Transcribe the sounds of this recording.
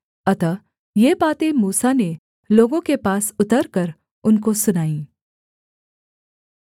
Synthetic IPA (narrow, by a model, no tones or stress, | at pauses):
ɐt̪ə | jeːbaːt̪emuːsane | loːɡõkepaːsʊt̪əɾkɐɾ | ʊnkosʊnaːĩː